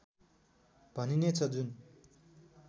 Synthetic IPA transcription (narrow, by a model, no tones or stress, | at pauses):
paninet͡sʰad̪yn